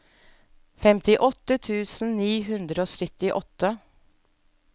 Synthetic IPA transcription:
fɛmt̪ɪʔɔt̪ːət̪ʰʉːsn̩niːɦʉnd̪ɾəoːsœt̪ɪʔɔt̪ːə

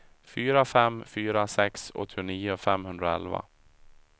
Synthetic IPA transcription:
fyːɾafɛmːfyːɾasɛksɔ̰t̪ʰːʊniːʊfɛmhɵnd̪ɾaɛ̰lva̰

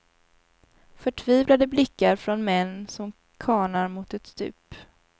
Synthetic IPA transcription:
fœʈʰviːvlad̪əblɪkːaɾfɾɔnmɛnːsɔm | kʰɑːɳaɾmʊt̪ɛt̪st̪ʉ̟̰ːp

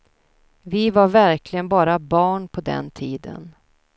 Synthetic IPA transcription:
vɪvaɾvæɾkʰlɪɡənbɑːɾabɑːɳpʰɔd̪ɛ̰nt̪ʰiːd̪ə̰n

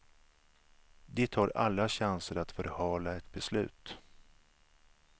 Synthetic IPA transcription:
d̪ɛt̪ʰɑːɾa̰lːaɕansəɾat̪fœɾhɑːlaɛt̪bɛslʉ̟̰ːt̪

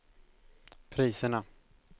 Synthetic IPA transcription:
pʰɾiːsəɳa

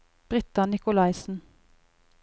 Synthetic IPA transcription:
b̥ʁɪt̪ɑnɪkʊlɑɪsn̩

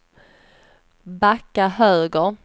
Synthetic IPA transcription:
bakːaɦøːɡəɾ

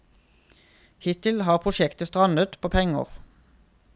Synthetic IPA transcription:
hɪt̪ɪlhɑːʁpʰʁʊʃɛkt̪əst̪ʁɑnət̪pʰoːpʰɛŋə̰ʁ

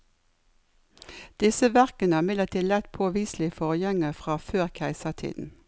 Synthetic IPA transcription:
d̪̥ɪsəʋæʁkənəɑːmɪd̪ləʁt̪ʰiːd̪lɛt̪pʰoːʋiːslɪfɔʁjɛŋəfʁɑːføːʁkʰæɪsəʁt̪ʰḭːd̪n̩

